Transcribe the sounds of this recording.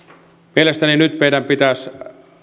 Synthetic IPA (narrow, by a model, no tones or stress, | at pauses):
mielest̪æninyt̪mejdæmpit̪æˑs